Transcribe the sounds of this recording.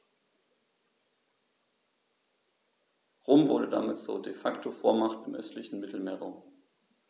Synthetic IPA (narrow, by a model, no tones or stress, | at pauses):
ʁoːmvʊɐɾəda̰mɪtt͡suːɐdefaktʰofoːɐmaχtɪmʔœstʰlɪçn̩mɪtl̩meːɐʁaʊm